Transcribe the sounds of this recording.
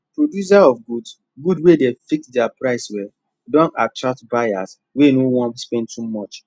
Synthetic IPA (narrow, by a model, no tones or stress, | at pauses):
pɹodjus̬aɔfɡuds | ɡudwedefik̚tdɛapɹaɪswɛl | dɔ̃natɹak̚tbaja̰s | wenowɔ̃nspɛ̃ndtumɔt͡ʃ